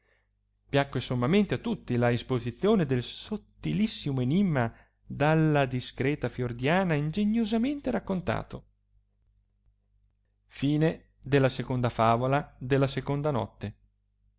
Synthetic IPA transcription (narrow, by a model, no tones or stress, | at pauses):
pjakːesomːament̪eat̪ːut̪ːilaespozit̪sːjoːned̪elsot̪ːilisːimoenimːa | d̪alːad̪iskɾɛːt̪afjord̪jaːnaind͡ʒeɲːozament̪eɾakːont̪a̰ːt̪o | fiːne | d̪elːasekond̪afaːvolad̪elːasekond̪anɔ̰t̪ːe